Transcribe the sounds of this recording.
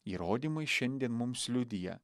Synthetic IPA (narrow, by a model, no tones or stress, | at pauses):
iːɾoːd̪ʲiːmɐɪʃʲɛnʲd̪ʲiɛnmʊmslʲʊd̪ʲɪjɛ̰